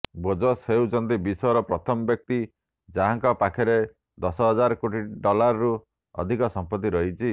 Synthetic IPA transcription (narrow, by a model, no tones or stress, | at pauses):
bod͡ʒɔseud͡ʒɔnt̪ibisɔjɔɾɔpɾɔt̪ʰɔmɔbjɔk̚t̪i | d͡ʒaɦaŋkɔpakʰɔɾe | d̪ɔsɔɦɔd͡ʒaɾɔkoʈiɖɔlaɾɔɾu | ɔ̰d̪ʱikɔsɔmpɔt̪ːiɾɔɦit͡ʃʰi